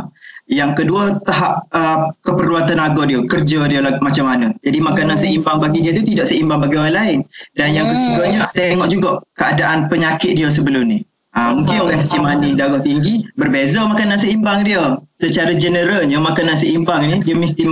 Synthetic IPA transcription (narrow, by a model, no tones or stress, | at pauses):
jaŋkəduət̪aɦap̚əkəpərluat̪anaɡɔdiəkərd͡ʒədiəlamat͡ʃamːanə̃d͡ʒadimakanansəimbaŋbaɡidiət̪ut̪idaʔsəimbaŋbaɡioɾanlaɪndanjaŋkəkudaɲət̪eŋɔʔd͡ʒuɡaʔkəadaʔanpəɲakɪt̪̚diəs̬əbəlʊmni | amuŋkɪnolɛhkət͡ʃimanidaɡaŋt̪iŋɡibərbezamakanansəimbaŋdiəsət͡ʃaɾad͡ʒənəɾalɲamakanansəimbaŋnidiəmist̪i